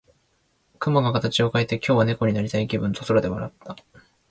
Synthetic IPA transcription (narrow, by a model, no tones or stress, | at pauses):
kɯ̟maɡakat̪at͡ɕio̞kaet̪e̞kʲo̞ːβane̞ko̞ɲ̟inaɾʲit̪aikʲibɯ̟̃nt̪osoɾad̪e̞βaɾat̪ʰːa